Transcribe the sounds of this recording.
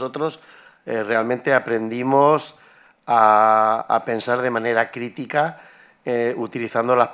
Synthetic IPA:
ot̪ɾo̞s | ere̞almẽ̞nt̪eapɾe̞nd̪imos | a | a̰pe̞nsaɾðe̞mãne̞ɾakɾit̪ika | eut̪iliθand̪ola

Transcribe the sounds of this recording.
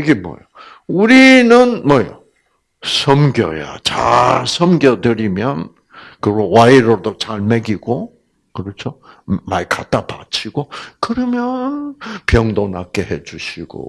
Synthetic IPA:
iɡemʌ̰jo | uɾinɯnmwʌjo̰ | sʰʌmɡjʌ̰ja̰t͡ɕaɭsʰʌmɡjʌdɯɾimjʌn | kɯɡowaiɾodot͡ɕaɭmeɡiɡo | kɯɾʌt͡ɕʰo | maikat͈apat͡ɕʰiɡokɯɾʌmjʌnpjʌŋdonak͈eɦed͡ʑuɕʰiɡ̥o̰

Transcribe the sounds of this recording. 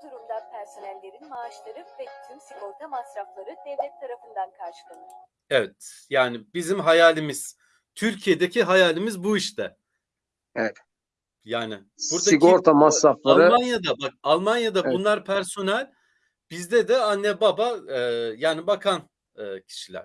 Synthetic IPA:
d̪uɾumd̪ˠanpʰæɾso̞nælʲːe̞ɾinimaːʃlˠaɾɯpvɛt̪ʰymsiɡoɾt̪ʰamasɾaflˠaɾɯd̪ɛvlʲɛt̪ʰːaɾafɯnd̪ankʰaɾʃɯ̥k̪ʰan | ɛvɛt̪jaːnɪbizimɦajaːlʲimiz̥ | t̪ʰyɾcʰijed̪ecʰiɦajaːlʲimizbuiʃt̪ʰɛ | ɛvɛt̪ | jaːnɪ | suɾd̪aioɾt̪ʰamasɾaflˠaɾɯmanjad̪abak̚alˠmanjad̪abunlˠaɾpʰæɾso̞nælʲ | b̥izd̪ɛd̪ɛanːɛbabaɯːjaːnibakʰan | ɯːcʰi̥ʃilʲæ̰ɾ̥

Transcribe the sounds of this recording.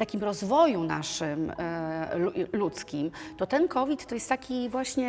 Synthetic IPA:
t̪akʲimɾɔzvɔjuna̰ʂɘm | ulut̪skʲimt̪ɔt̪ɛnkɔvʲit̪ːɔjɛst̪akʲivwaɕɲɛ

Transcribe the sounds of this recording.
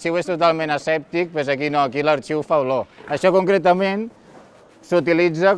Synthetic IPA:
t͡ʃiwest̪ut̪alˠmẽnəsɛp̚t̪ik̚pezəkinoəkiləɾt͡ʃiwfawloəʃɔkuŋkɾet̪əmen | sut̪ilid͡zə

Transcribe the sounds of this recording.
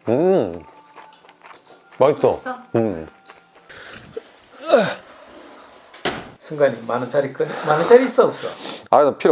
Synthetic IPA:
ɯ | mait̪͈oɯm | sʰɯŋɡaɲimanɯnt͡ɕaɾik͈ɯɲmanɯnt͡ɕ͈aɾiːs͈ʌop̚s͈ʌaidɯpʰiɾ

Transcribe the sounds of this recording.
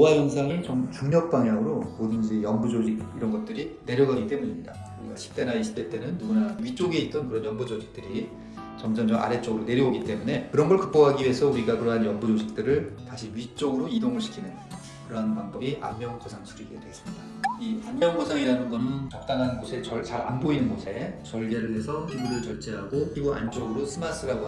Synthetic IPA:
jowajʌnsʰaŋit͡ɕomkuŋɲʌk̚p͈aŋjaŋɯɾomodɯnd͡ʑijʌmbud͡ʑod͡ʑiɡiɾʌnɡʌt̚t͈ɯɾine̞ɾjʌɡaɡit͈e̞muɲimɲida | uiɡaɕʰi̥p̚t͈enaiɕʰi̥t͈ʰet͈enɯnːuɡunaɥit͡ɕ͈oɡeit̚t͈ʌnkɯɾʌnjʌmbud͡ʑod͡ʑik̚t͈ɯɾi | t͡ɕʌmd͡ʑʌnd͡ʑʌma̰ɾe̞t͡ɕ͈oɡɯɾone̞ɾjʌoɡit͈e̞mune̞kɯɾʌnɡʌɭkɯk̚p͈ʌɡɦaɡiɥie̞sʰʌuɾiɡakɯɾʌɦanjʌnbud͡ʑod͡ʑik̚t͈ɯɾɯɭtaɕʰiɥit͡ɕ͈oɡɯɾoidoŋɯɭɕʰi̥kʰinɯn | kɯɾʌɦanpaŋbʌbiʔa̰mmjʌŋkʰʌsʰaŋsʰiɾiɡedɯɦes͈ɯmɲidaianmjʌŋkʌsʰaŋiɾanɯnɡʌnɯnt͡ɕʌk̚t͈anɦanɯnɡosʰe̞t͡ɕʌt͡ɕaɾa̰nboinɯnɡosʰe̞t͡ɕʌɭɡe̞ɾɯɭɦe̞sʰʌkibuɾɯɭt͡ɕʌɭt͡ɕ͈eɦaɡokɯɾiɡuʔa̰nt͡ɕ͈oɡɯɾosʰɯmas͈ʰɯɾaɡo

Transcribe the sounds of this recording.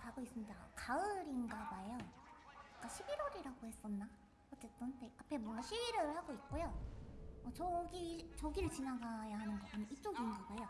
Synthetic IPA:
taɡois͈ɯmɲida̰kaɯɾinɡaɡaejʌak͈aɕʰibiɾoɾiɾaɡohe̞s͈ʌnːa | ʌtt͡ɕ͈e̞t͈ɯnteapʰe̞mwʌŋɡaɕʰibiɾɯɭhaɡoit̚k͈ojomʌt͡ɕʌɡit͡ɕʌɡiɾɯɭt͡ɕinaɡajaɦanɯnɡʌanʌit͡ɕ͈oɡinɡaɡajo

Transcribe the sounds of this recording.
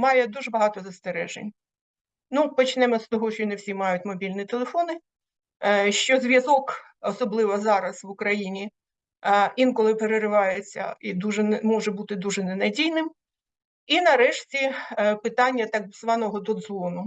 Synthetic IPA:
mɑjɛd̪uʒɛbɐɦɑt̪ɔzɐst̪eɾɛ̰ʒḛnʲ | nupɔt͡ʃnɛmɔst̪ɔɦɔʃt͡ʃɔinewsʲimɑjʊtʲmɔbʲilʲnʲit̪elˠefɔnɪ | ʃt͡ʃɔzʲʋʲjɐzɔk | ɔsɔblˠɪʋɔzɑɾɐsʋʊkɾɐjinʲi | inkɔlˠɪpeɾeɾɪʋɑjet͡sʲːɐ̰id̪uʒɛnmɔʒɛbut̪ɪd̪uʒɛnenɐdʲijnɪm | inɐɾɛʃtʲipɪt̪ɑnʲːɐt̪ɑkzʋɑnɔɦɔd̪ɔd̪zɔnʊ

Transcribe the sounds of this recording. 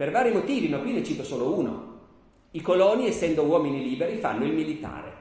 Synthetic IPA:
pervaːɾimot̪iːvimakːwinet͡ʃiːt̪osoːlouːno̰ | ikolɔːniesːɛnd̪owɔːminiliːbeɾifa̰nːoilmilit̪a̰ːɾḛ

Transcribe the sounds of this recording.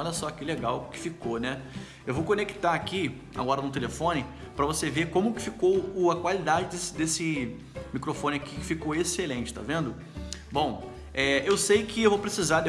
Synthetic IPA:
ɔlɐsɔakileɡawkɪ̥fikonɛ | ewvowkõneki̥t̪aaki | a̰ɡɔɾɐnʊt̪̬elefõnɪpɾɐvosevekõmʊkɪ̥fikowʊɐkwalid̪ad͡ʒɪd̪esɪd̪esɪ | mikɾofõnɪakikɪ̥fikoweselẽnt͡ʃɪ̥t̪a̰vẽnd̪ʊ | bõw̃ | ɛewsejkɪewvowpɾesizad̪e

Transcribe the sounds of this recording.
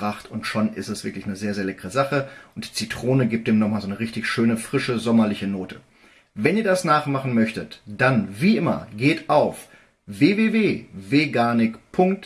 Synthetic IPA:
ʁaχtʊntʃonɪ̰stɛsv̥ɪɐklɪçnəzeːɐzeːɐlɛkəʁəzaχəʔʊntd̥iːt͡sitʁ̥oːnəɡiːp̚td̥eːmnɔχmaːlzoːnəʁɪçtɪçʃøːnəfʁ̥ɪʃəzɔmɐlɪçənoːtʰə | vɛniːɐdasnaːχmaχn̩mœçtətd̥anviːʔɪmɐ̰ɡeːtaʊf | veːveːveːveɡaːnɪkpʰʊŋk̚t

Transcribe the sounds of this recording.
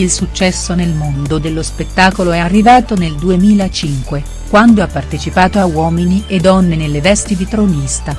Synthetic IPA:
ilsut͡ʃːɛsːonelmond̪od̪elːospet̪ːaːkoloɛarːivaːt̪oneld̪uemiːlat͡ʃiŋkwe | kwand̪oapːart̪et͡ʃipaːt̪oawɔːminied̪ːɔnːenelːevɛst̪id̪it̪ɾonist̪a

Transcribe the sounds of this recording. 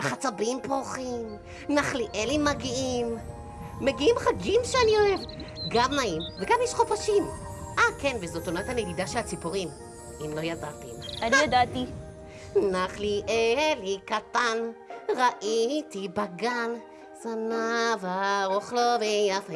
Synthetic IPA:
aχat͡sabimpoχim | naχliʔelimaɡiimː | eɡiimχaɡimʃeanio̞e̞vɡamːaimveɡamjɛʃχopaʃim | ʔakenvezot̪onat̪anedid̪aʃelat͡sipoʁim | imlo̞jadat̪imanijad̪at̪i | naχliʔelikat̪anʁaʔit̪ibaɡan | sanavaʁoχlovenafe

